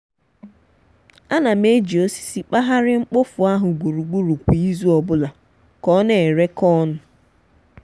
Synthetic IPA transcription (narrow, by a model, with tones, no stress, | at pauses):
a˦na˨me˦d͡ʒi˨o˦si̥˨si˨k͡pa˦ɦa˦ɾɪ˦ŋ͡m̩˦k͡po˦fʊ˨a˦ɦʊ˨ɡu˨ɾu˨ɡ͡bu˦ɾu˨kʷi˨i˦zu˦ɔ˨bʊ˦la˨ | kɔ˦ne˨ɾe˦kɔ˦nʊ˨